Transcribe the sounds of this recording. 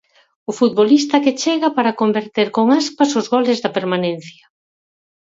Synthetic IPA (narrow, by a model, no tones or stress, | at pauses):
ʊfut̪̚βolist̪ɐket͡ʃɛɣɐpaɾɐkombeɾt̪eɾkoŋaspasʊzɣɔlɪzðɐpeɾmanẽn̟θjɐ